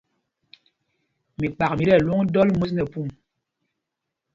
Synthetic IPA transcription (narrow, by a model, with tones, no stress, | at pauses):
mi˨k͡pa˨k̚mi˨ɾɛ˦˨lu˦ŋdɔ˦lmu˦s̬nɛ˨pu˦˨m